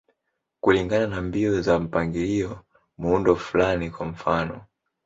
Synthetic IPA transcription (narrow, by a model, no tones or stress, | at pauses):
kuliŋɡananambiɔzam̩paŋɡiliɔ | muundɔfulanikwam̩fanɔ